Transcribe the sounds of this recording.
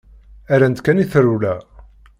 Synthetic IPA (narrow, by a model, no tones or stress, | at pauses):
æɾænt̪kæniθɾulæ